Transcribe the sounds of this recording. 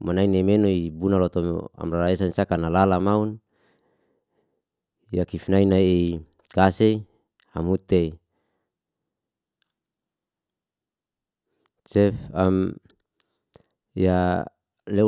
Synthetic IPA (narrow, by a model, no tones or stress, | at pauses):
manainemenoibunalot̪om̰a̰mraɾaesanisakanalalamaun | jakifnainae | kasei | amut̪ei | t͡ʃɛfam | ja | le